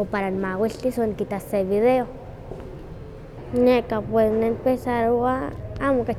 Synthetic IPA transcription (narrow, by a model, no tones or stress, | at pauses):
opaɾanmawilt̪isonkit̪aseβiðeo | nekapwesnempesaɾoaamoka